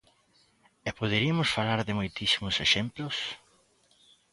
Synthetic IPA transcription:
epoð̞eɾiamʊsfalaɾðɪmojt̪isimʊseʃemplʊs

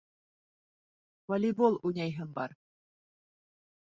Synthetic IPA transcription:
vɐlʲibolˠunʲɑjɦɘ̆mbɑr

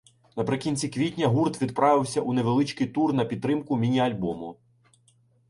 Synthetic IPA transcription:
nɐpɾɪkʲinʲt͡sʲikʋʲitʲnʲɐɦurt̪ʋʲid̪pɾɑʋɪwsʲɐʔuneʋelˠɪt͡ʃkɪjt̪urnɐpʲid̪̚t̪ːɾɪmkʊmʲinʲiɐlʲbɔmʊ

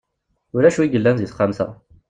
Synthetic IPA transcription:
ʊɾæʃuiɡəlːænziθχamsæ̰

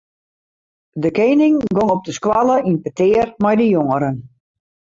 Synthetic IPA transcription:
dəkeːnɪŋɡoŋɔp̚dəskwaləʔinpətɪːrmajdəjoŋəɾən

